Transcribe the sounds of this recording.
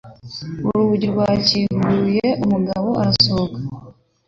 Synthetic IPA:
uɾuβuɟiɾɡwaːciːŋɡujeʔumuɡaβo̞ʔaɾasokḁ

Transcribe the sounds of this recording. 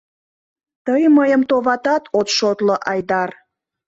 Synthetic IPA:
t̪əjməjəmt̪oβɑt̪ɑt̪ʰot̪ʃot̪loʔɑjd̪ɑr

